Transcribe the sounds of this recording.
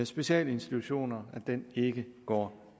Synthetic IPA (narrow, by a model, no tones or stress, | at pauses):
esb̥e̝ɕɛ̰ːləe̝nsd̥it͡sʰuɕo̝̰ːnɐæd̥ene̝ɡ̥əɡ̥ɒ̰ː